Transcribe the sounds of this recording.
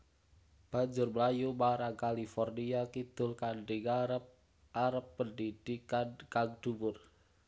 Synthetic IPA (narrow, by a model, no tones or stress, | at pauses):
b̥a̤ɲd͡ʒʊrməlajumaɾaŋkalifɔrniakid̪̥ʊ̤lkanɖɪŋ | aɾəpːəndid̥ikakaŋd̥umʊr